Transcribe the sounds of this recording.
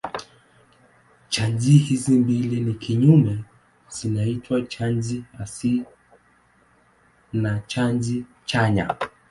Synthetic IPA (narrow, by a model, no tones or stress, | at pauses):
t͡ʃaɲzihizimbilinikʰiɲumɛ | z̥inaitʰwat͡ʃand͡ʒiasi | nat͡ʃand͡ʒi | t͡ʃaɲa̰